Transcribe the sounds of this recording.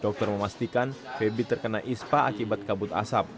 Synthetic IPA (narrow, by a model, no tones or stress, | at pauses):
d̥ɔk̚t̪ɔrməmast̪ikanfebit̪ərkənaʔispaʔa̰kibat̪̚kabʊt̪a̰sap̚